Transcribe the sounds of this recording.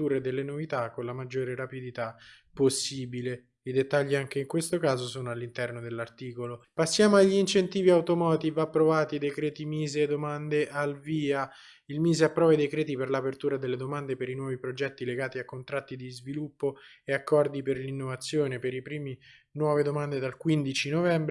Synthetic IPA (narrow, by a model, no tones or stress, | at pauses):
uːɾed̪elːenovit̪akːonlamad͡ʒːoːɾeɾapid̪it̪apːosːiːbile | id̪et̪ːaʎːiaŋk̟eiŋkwest̪okaːzosoːnoalːint̪ɛrnod̪elːart̪iːkolopasːjaːmoaʎːiint͡ʃent̪iːviawt̪omɔːt̪ivapːɾovaːt̪id̪ekɾeːt̪imiːzed̪omand̪eʔalviːa | ilmiːzeapːɾɔːvaid̪ekɾɛːt̪iperlapert̪uːɾad̪elːed̪omand̪epeɾinwɔːvipɾod͡ʒɛt̪ːileɡaːt̪iakːont̪ɾat̪ːid̪izvilupːo | eakːɔrd̪iperlinːovat̪sːjoːnepeɾipɾiːmi | nwɔːved̪omand̪ed̪alkwind̪it͡ʃinovɛmbɾ